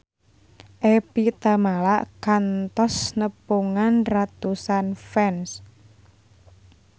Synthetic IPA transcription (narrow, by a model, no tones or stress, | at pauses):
ʔepit̪amalaʔkant̪ɔsnəpuŋanrat̪usanfɛns